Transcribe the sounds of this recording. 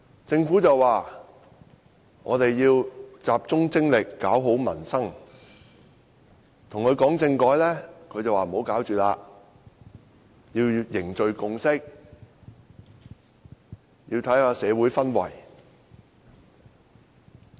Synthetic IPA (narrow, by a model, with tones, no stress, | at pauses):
t͡sɪ˧ŋfu˨˥t͡sɐ˨waː˨ | ŋʔɔː˨˧t̪e˨jjiː˧wt͡saː˨p̚t͡sʊ˥ŋt͡sɪ˥ŋlɪ˨kːaː˨˥wɦo˨˥wmɐ̰˨˩nsɐ˥ŋ | t̪ʰʊ˨˩ŋkʰɵ˨˧ɥkɔː˨˥ŋt͡sɪ˧ŋkɔː˨˧˥jlɛː˥kʰɵ˨˧ɥt͡sɐ˨waː˨˩m̩˨ho˨˧wkaː˨˥wt͡ʃyː˨˩laː˧ | jiː˧wjɪ˨˩ŋt͡ʃɵ˨ɥkʊ˧ŋsɪ˥k̚ | jiː˧t̪ʰɐ˨˥jaː˧sɛː˨˧wuː˨˥jfɐ˥nwɐ̰˨˩j